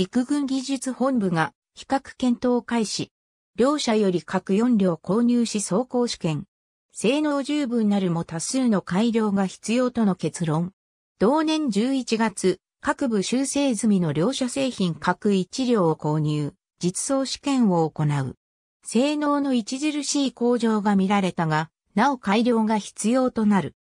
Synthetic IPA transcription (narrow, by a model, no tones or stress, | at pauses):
ikɯ̟ɡɯ̟̃ŋɡʲiʑɨt͡sɨhõ̞mbɯ̟ɡa | çi̥kakɯ̟̥kẽ̞nt̪o̞ːkaiɕi | ɾʲo̞ːɕajo̞ɾʲikʰakɯ̟jõ̞nɾʲo̞ːko̞ːɲ̟ʲɨːɕiso̞ːko̞ːɕi̥kẽ̞ŋ | se̞ːno̞ːʑɨːbɯ̟̃nːaɾɯ̟mo̞t̪asɨːno̞kaiɾʲjo̞ːɡaçi̥t͡sɨjo̞ːt̪o̞no̞ke̞t͡sɨɾõ̞ŋ | d̪̥o̞ːnẽ̞ɲ̟d͡ʑɨːit͡ɕiɡat͡sɨ | kakɯ̟bɯ̟ɕɨːse̞ːzɨmʲino̞ɾʲo̞ːɕase̞ːçĩŋkʰakɯ̟it͡ɕiɾʲo̞ːko̞ːɲ̟ɯː | d͡ʑit͡sɨ̥so̞ːɕɨ̥kẽ̞ɰ̃o̞ːko̞naɯ̟̰ | se̞ːno̞ːno̞it͡ɕiʑiɾɯ̟ɕiːko̞ːʑo̞ːɡamʲiɾaɾe̞t̪aɡa | nao̞kaiɾʲjo̞ːɡaçi̥t͡sɨjo̞ːt̪o̞naɾɯ̟